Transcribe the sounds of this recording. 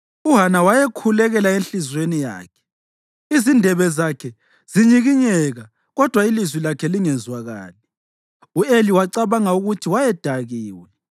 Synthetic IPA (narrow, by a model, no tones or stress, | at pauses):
uɦanawajɛkʰulɛɣɛlaenɬizwenija̰ːkʰɛ̥ | izindʱɛβɛzakʰɛ | ziɲiɣiɲɛɣa | ɣɔd̥ʱwailizwilakʰɛliŋɛnd͡zwaɣa̰ːlɛ | ueliwaǀaβaŋauɣutʰiwajɛd̥ʱaɣiːwɛ